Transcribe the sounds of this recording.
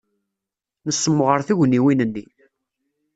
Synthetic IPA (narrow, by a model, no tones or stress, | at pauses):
nəsːəmːʁəɾθiʝnːiwinənːi